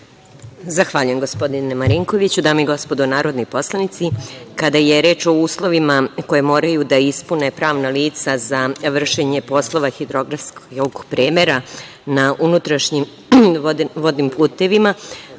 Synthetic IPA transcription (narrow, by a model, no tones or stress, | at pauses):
zaxʋaːʎujemɡo̞spo̞d̪inemaɾiŋkoʋit͡ɕud̪aːmoiɡo̞spod̪onaːɾod̪nojpo̞slˠanit̪sikad̪aje̞ɾe̞ːt͡ʃo̞uːslˠo̞ʋimako̞je̞mo̞ːɾajud̪aispune̞pɾaːʋnaliːt̪sazaʋr̩ʃeɲepo̞slˠo̞ʋaxid̪ɾoɡɾafskokoɡpɾeːmeɾa | naʔunut̪ɾaʃɲim | ʋo̞d̪nimpʰuːt̪e̞ʋima